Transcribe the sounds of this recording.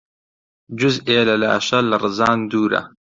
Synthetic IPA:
d͡ʒʊzeːlɐla̰ːʃɐlɐrɨzɑːnd̪uːɾɐ̰

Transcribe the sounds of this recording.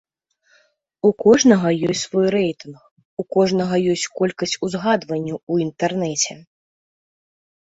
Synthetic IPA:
ukɔʐnɐɣɐjɔsʲtʲsvɔjrɛjt̪ɨnx | ukɔʐnɐɣɐjɔsʲt͡sʲkɔlʲkɐsʲt͡sʲuzɣad̪vɐnʲːuuint̪ɛrnɛt͡sʲɛ

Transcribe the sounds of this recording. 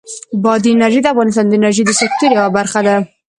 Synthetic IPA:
bɑd̪inaɾʒed̪əafɣɑnɪst̪ɑnd̪əɪnaɾʒid̪əsɪk̚t̪uɾjawabaɾxad̪a

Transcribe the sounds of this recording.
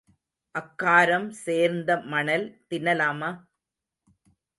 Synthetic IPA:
ʔɐkːaːɾɐmseːɾnd̪ɐmɐɳɐlt̪ɪnːɐlaːmaː

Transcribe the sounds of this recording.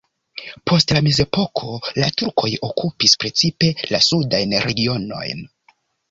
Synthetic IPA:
pʰo̞stlame̞ze̞po̞kʰo̞latuɾkʰo̞jo̞kʰupispɾe̞t͡sipe̞lasudajnɾe̞ɡio̞no̞̰jn

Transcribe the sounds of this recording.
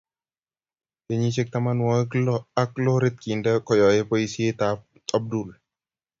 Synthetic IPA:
keɲit͡ʃek̚t̪amanwɔklaklɔɾet̪̚kindakɔjɔjepoisiet̪a | ab̚dul

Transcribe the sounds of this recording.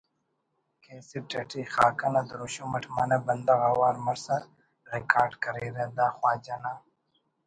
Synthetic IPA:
keːsiʈɐʈʰixaːkɐnɐd̪ɾuɕomɐʈʰmɐnɐbɐnd̪ɐɣɐwaːɾmɐɾsɐ | ɾikaːɾɖkɐɾiːɾed̪aːxwaːd͡ʒɐna

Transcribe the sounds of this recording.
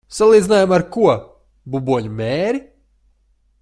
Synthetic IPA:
salˠiːd̪zinaːjamaɾkuɔ | bubuɔɲumeːɾi

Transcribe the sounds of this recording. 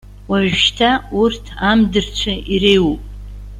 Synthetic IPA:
waʒʃtʰaurtʰamdɨrt͡ɕʷʰairejwupʼ

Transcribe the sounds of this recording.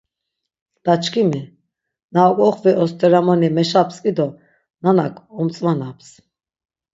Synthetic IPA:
d̪̥at͡ʃkʰimi | naɔkʼɔχviʔɔst̪ʰɛɾamɔnimɛʃapskʼid̪ɔ | nana̰kʰʼɔmt͡sʼmanaps

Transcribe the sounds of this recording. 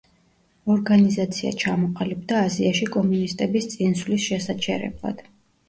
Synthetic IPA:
ɔɾɡanizat̪sʰia̰t͡ʃʰamɔqʼalɛb̚d̪aːziaʃikʼɔmunist̪ʼɛbist̪sʼinsvlisʃɛsat͡ʃʰɛɾɛ̰blˠa̰d̪̥

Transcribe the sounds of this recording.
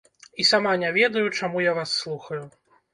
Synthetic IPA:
isamanʲavʲɛd̪ɐjut͡ʂamujavasːlˠuxɐju

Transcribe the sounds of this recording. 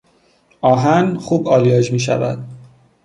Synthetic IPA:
ʔɒːɦænxuːbɒːlijɒːd͡ʒmiːʃ̬æ̰væ̰d̪̥̚

